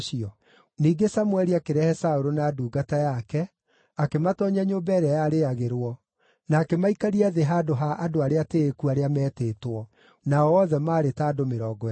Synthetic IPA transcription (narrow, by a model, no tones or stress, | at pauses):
ʃiɔ | niːɡesamwɛɾiakeɾɛhɛsaoɾonaːduːɡatajakɛ | akematɔɲaɲoːbɛɾɛajaɾeaɣeɾwɔ | naːkemaikaɾiaðeɦaːdoɦaʔadoaɾeateːkuaɾeamɛːteːtwɔ | naɔɔðɛmaːɾetaːdomeɾɔːɡɔ